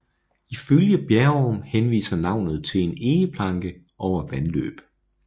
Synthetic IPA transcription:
iføljəb̥jæɐɒmhenʋḭːsɐnɑ̈ʊ̰nð̞̩ˠt͡sʰe̝le̝ne̝ːəpʰlɑ̈ŋɡ̥ə | ʔɒʊ̰ɐʋænlø̰ːb̥

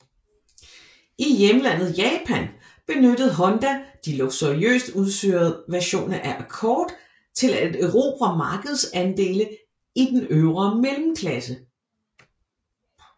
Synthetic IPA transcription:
ʔijemlæn̰ð̞̩ˠjɛːpʰæn | b̥e̝nød̥əð̩ˠɦɒ̽nd̥æd̥iloɡ̥soʁiø̰ːsd̥uðˠsø̰ːɐð̩ˠʋæɐɕo̝̰ːnɐʔæʔækʰɒːd̥ | t͡sʰe̝ledøʊʁo̝ːb̥ʰʁɐmɑ̈ːɡ̥əð̞̩ˠsænd̥e̝̰ːlə | id̥enøʊʁɐmelm̩kʰlæsə

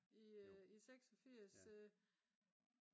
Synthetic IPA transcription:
iiseɡ̥sɒfiɐ̰s

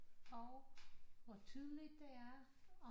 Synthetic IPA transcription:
ɒʊʋɒt͡sʰyð̞ˠəlid̥de̝æɐ | ɒ

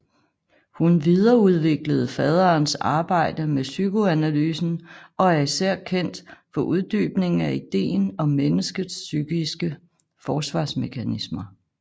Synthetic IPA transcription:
hunʋið̞ˠɐːuð̞ˠʋe̝ɡ̥ləð̞̩ˠfɛð̞ˠɐːnsɑ̈ːb̥ɑ̈ɪ̰d̥əmesyɡ̥oænælyːsn̩ɒ̽æɐisæɐ̰kʰen̰d̥fɒ̽ʔuð̞ˠd̥y̰ːb̥ne̝ŋŋ̩æid̥e̝̰ːnɒ̽menəsɡ̥ð̩ˠsːyɡ̥isɡ̥ə | fɒːsʋɑ̈ːsme̝kʰænismɐ

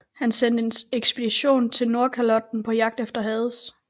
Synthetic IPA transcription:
hænsen̰d̥əeneɡ̥sb̥ed̥iɕo̝̰ːnt͡sʰe̝lno̝ɐkʰælɒ̽d̥̚n̩pʰɒ̽jɑ̈ɡ̥̚d̥efd̥ɐɦɛːð̞ˠs

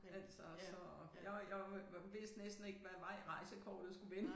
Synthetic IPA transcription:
æl̰sɒssɒ̽ | jɑjɑɪʋe̝sd̥nesd̥n̩e̝ɡ̥ʋæʋɑ̈ʁɑ̈ɪsəkʰɒ̰ːd̥ð̩ˠsɡ̥uʋenə

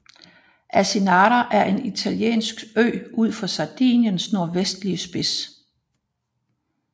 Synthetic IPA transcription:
ʔæsenɑːɾɐʔæɐʔe̝nit͡sʰæljḛːnsɡ̥øɪuð̞̰ˠfɒ̽sɑ̈d̥ḭːnjənsno̝ɐ̰ʋesd̥liəsb̥e̝s

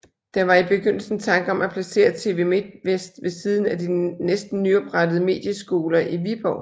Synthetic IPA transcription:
d̥ɑʋɑ̈ib̥e̝ɡ̥øn̰l̩sn̩t͡sʰɑ̈ŋɡ̥əɒ̽mæpʰlæse̝̰ːɐt͡sʰe̝̰ːʋe̝m̥ʋesd̥ʋe̝siːð̞ˠn̩æd̥inesd̥n̩nyɒ̽b̥ʁad̥əð̞̩ˠəme̝̰ːd̥jəsɡ̥o̝ːlɐʔiʋib̥ɒʊ̰

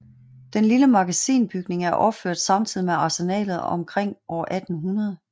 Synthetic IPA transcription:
d̥enliləmɑ̈ɡ̥æsḭːnb̥yɡ̥ne̝ŋæɐʔɒ̽b̥føɐ̰d̥sɑ̈mt͡sʰið̞̰ˠimeɑ̈senɛ̰ːlð̞̩ˠɒ̽mkʰʁeŋ̰ʔɒ̰ːʔæd̥n̩ɦunɐð̞̩ˠ

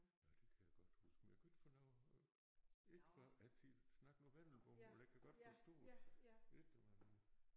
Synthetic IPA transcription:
jæd̥e̝kʰæjæɡ̥ɒ̽d̥husɡ̥meɡ̥yd̥fɒnɑʊ̰ | e̝ɡ̥əfɶʔæl̰t͡sʰi̥snɑ̈ɡ̥ŋ̩ɒmʋæn̰l̩bʰɒ̽mlækʰæɡ̥ɒ̽d̥fɒsd̥ɔ̰ː | ed̥d̥eʋɑn

